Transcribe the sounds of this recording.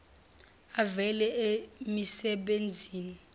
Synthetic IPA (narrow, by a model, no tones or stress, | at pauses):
avɛlɛemisɛɓend͡zʱiːni